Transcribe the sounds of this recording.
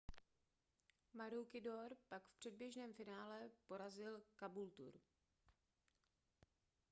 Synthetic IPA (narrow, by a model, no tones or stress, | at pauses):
maɾuwkɪdoɾpakfpr̝̥ɛd̚bjɛʒnɛːmfɪnaːlɛpo̞ɾazɪlkabult̪ṵɾ